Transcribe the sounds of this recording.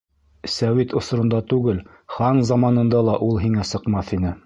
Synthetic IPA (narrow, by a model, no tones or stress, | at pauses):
sæwit̪ŏsɾɤ̆nd̪ɑt̪ʉɡɘl | χɑnzɑmɑnɤ̆nd̪ɑlˠɑʔulˠɦiŋæsɤ̆qmɑθinɘ